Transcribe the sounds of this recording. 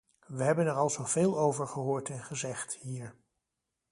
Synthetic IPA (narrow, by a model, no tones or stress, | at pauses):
ʋəɦɛbənɛɹɑlˠzowveːlˠowvəɹχəɦʊːɹtɛnχəzɛχthiːɹ